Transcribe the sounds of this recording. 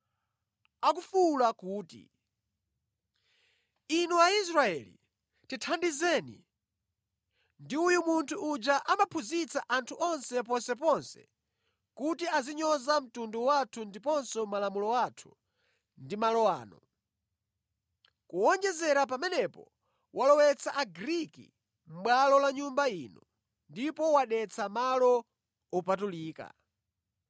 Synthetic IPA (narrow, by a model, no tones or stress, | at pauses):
akufulakuːtḭ | inuais̬ɾaɛlḭ | titʰandizɛːnḭ | ndiujumuntʰuʔːd͡ʒaʔamapʰuzit͡saʔantʰuʔɔnsɛpɔnsɛpɔnsɛ̰ | kutiaziɲɔzam̩tunduwatʰundipɔnsɔmalamulɔwatʰu̥ | ndimalɔwa̰ːnɔ̰ | kuɔnd͡ʒɛzɛɾapamɛnɛpɔ̰ | wʔalɔwɛt͡sʰaʔaɡɾikḭ | m̩ɓwalɔlaɲumbainɔ | ndipɔwaɗɛt͡samalɔ | ɔpatuliːka̰